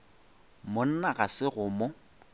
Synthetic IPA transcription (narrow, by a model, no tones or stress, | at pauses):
mʊn̩naɣasɪɣʊmʊ